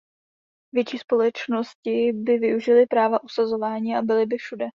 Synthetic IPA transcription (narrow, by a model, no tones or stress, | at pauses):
vjɛt͡ʃiːspo̞lɛt͡ʃno̞scɪbɪvɪuʒɪlɪpɾaːvaʔusazo̞vaːɲiːabɪlɪbɪfʃudɛ